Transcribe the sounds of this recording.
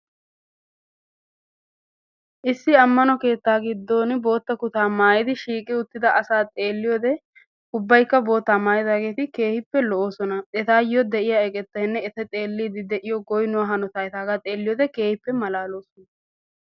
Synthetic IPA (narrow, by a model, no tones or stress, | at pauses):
ʔɪsːɪɐmːɐnɔke̞ːt̪ːaːɡɪd̪ːo̞ːnbo̞ːt̪ːɐkʊt̪aːmaːjɪd̪ɪʃiːkʼɪʊt̪ːɪd̪ɐʔɐsaːt̪ʼe̞ːlːɪjɔːd̪ɛ | ʊbːɐjkːɐbo̞ːt̪ːaːmaːjɪd̪aːɡe̞ːt̪ɪke̞ːhɪpːɛlɔʔoːsɔnɐɛt̪aːjɔd̪ɛʔɪjaɛkʼɛt̪ːɐɪnːɛɛt̪ɐt̪ʼe̞ːlːiːd̪ɪd̪ɛʔɪjɔɡɔjnʊwɐɦɐnɔt̪aːjɛt̪aːɡat̪ʼe̞ːlːɪjɔːd̪ɛke̞ːhɪpːɛmɐlaːlo̞ːsɔnɐ